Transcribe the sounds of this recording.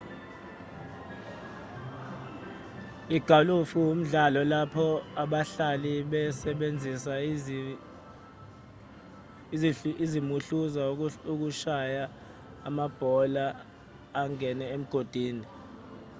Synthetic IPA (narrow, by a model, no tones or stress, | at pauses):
iɡ̥ʱalufuwum̩ɮalɔlapʰɔaɓaɬaliɓɛsɛɓend͡zʱisa | izimuɬuzauk̬uʃajaː | mab̥ʱɔlaː | ŋɛnɛem̩ɡ̥ʱod̥ʱiːni